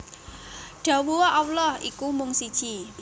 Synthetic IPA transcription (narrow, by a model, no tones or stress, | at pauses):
ɖ̥a̤wuwaʔawlɔhḭkumʊŋsid̥ʒ̥i